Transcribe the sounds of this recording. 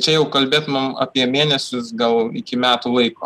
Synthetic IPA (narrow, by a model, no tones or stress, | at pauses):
t͡ʃʲɛjɛʊkɐlʲbʲeːt̪mɐmɐ̰ːpʲiɛmʲeːnʲɛsʲʊsɡɐlˠɪ̰kʲɪmʲæːt̪uːlˠɐɪko̰ː